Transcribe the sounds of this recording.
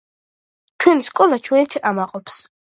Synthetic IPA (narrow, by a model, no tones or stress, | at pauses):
t͡ʃʰwɛniskʼɔlˠat͡ʃʰwɛnit̪ʰiʔamaqʼɔpʰs